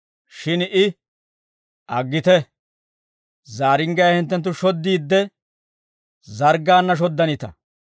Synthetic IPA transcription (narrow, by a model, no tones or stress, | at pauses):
ʃɪnʔɪ | ʔɐɡːɪt̪ɛ | zaːɾɪŋɡɐjɐhɪnt̪ːɛnt̪̬ːʊʃɔd̪ːiːd̪ːɛ | zɐɾɡːaːnːɐʃ̬ɔd̪ːɐnɪt̪ɐ̰